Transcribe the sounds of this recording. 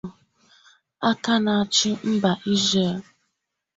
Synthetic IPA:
a˦ka˦na˨a˨t͡ʃɪ˦m̩˦ba˨ʔi˦ze˨

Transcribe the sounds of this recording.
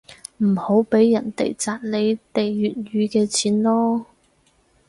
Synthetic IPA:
m̩˨˩ho˨˥wpe˨˥jːɐ˨˩nt̪ḛ˨˩jt͡saː˨˧t̚le˨˧jt̪e˨jjyː˨t̚ɥyː˨˧kɛː˧t͡sʰiː˨˥nlɔː˥

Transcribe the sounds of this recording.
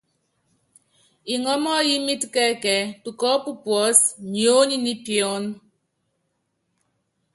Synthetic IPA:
i˨ŋɔ˦mɔ˦ji˦mi˦tkɛ˦kɛ˨˦tu˨kɔ˦pu˦pwɔ˨˦sɲ˨o˦ɲi˦ni˦pjɔ˦n

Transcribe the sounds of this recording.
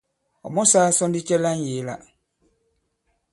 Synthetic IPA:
ɔ̰˨mɔ˦saː˦sɔ˦ndi˦t͡ʃɛ˦la˦n̩˦je˨˦la̰˨

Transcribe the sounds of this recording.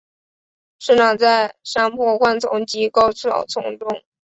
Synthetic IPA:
ʂɻ̩˥˩nɑ˨˩t͡sa˥˧ɪʂa˥ŋpʰwɔ˥˧xwa˥˩nt͡sʊ̰˧˥ŋt͡ɕi˧˥kɑ˥˧ʊʈ͡ʂ̩ʰ˥˩ɑ̰˨˩ʊt͡sʰʊ̰˧˥ŋʈ͡ʂʊ˥˩ŋ

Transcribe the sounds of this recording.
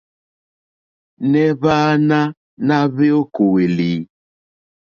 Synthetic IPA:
nɛ˦βaː˦na˦ | na˦βe˦o˦ko˨we˨li˨

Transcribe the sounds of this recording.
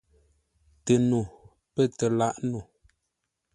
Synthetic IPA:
tə˨nu˨ | pə˦˨tə˨la˦ʔnu˨

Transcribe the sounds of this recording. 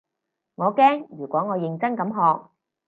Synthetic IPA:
ŋɔː˨˧kɛː˥ŋjyː˨˩kʷɔː˨˥ŋɔː˨˧jɪ˨ŋt͡sɐ˥nkɐ˨˥mɦɔː˨˧k̚

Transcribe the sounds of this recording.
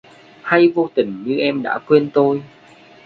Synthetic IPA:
ha˧jvo˧t̪ï˨˩ŋ̟ɲɨ˧ʔɛ˧mɗa̰ː˧˥kwe˧nt̪o˧j

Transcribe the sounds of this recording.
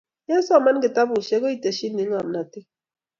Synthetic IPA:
jɛ˦n˦sɔ˦˨ma˦n˦ɡe˨ta˦bu˨ʃe˦ko˦i˦˨te˨ʃi˦ni˨˦ŋa˨m˨na˨ti˦

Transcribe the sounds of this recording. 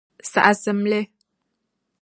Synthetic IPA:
sa̰˨ʔa˨sə˨mle˦

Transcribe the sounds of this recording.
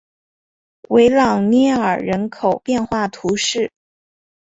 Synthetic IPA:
we˧˥ɪlɑ˨˩ŋnɛ˥˩ə̰˞˨˩ɻə˧˥nkʰo˨˩ʊpjɛ˥˧nxwa˥˩t̪ʰu˧˥ʂɻ̩˥˩

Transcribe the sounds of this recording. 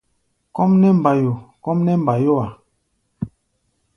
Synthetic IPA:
kɔ˦mnɛ˦m̩˨ba˨jo˨kɔ˦mnɛ˦m̩˨ba˨jo˦a˨

